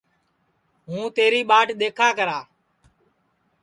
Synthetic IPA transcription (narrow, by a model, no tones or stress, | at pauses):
ɦũːt̪eːɾiːɓaːʈɗ̪eːkʰaːkəɾaː